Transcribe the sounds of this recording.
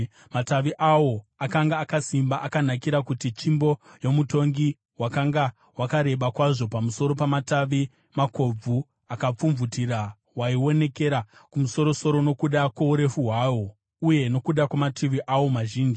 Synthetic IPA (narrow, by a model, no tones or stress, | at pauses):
mataʋiʔawo̞akaŋɡaːkasimbaʔakanakiɾakutit͡ʃimbo̞jo̞muto̞ŋɡi | wakaŋɡa | wakaɾe̞ɓakwaʐo̞pamuso̞ɾopamataʋi | mako̞b͡vu | akap͡fuɱvutiɾa | waiwo̞ne̞ke̞ɾakumuso̞ɾo̞so̞ɾo̞no̞kuɗakwauɾe̞fuɦwaːwo̞ | uje̞no̞kuɗakwamatʰiʋiʔawo̞maʒiːnd͡ʒii